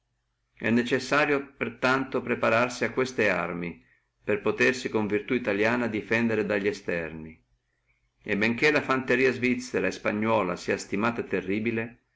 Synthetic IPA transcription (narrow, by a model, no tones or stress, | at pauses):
ɛ̰nːet͡ʃesːaːɾjopert̪ant̪opɾepaɾarsiakːwest̪ea̰rmi | perpot̪ersikoɱvirt̪uit̪aljaːnad̪ifɛnd̪eɾed̪aʎːiɛst̪ɛrni | ebeŋk̟elafant̪eɾiːazvit̪sːɛɾaespaɲːɔːla̰siːast̪imaːt̪at̪erːiːbile